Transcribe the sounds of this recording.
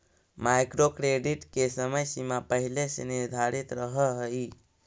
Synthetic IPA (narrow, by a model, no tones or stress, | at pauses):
majkɾokɾeɖiʈkesəməjsimapəɦileseniɾd̪ʱaɾit̪ɾəɦəɦəi